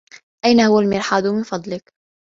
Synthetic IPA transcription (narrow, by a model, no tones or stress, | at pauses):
ʔajnahʊwːalmɪɾħaːd̪ʊmɪnfɑd̪ˤlɪk